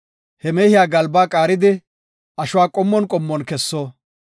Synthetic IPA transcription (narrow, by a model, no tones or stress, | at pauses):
hɛmɛːhɪjaːɡɐlbaːkʼaːɾɪd̪ɪ | ɐʃʊwaːkʼɔmːɔnkʼɔmːɔnkɛsːoː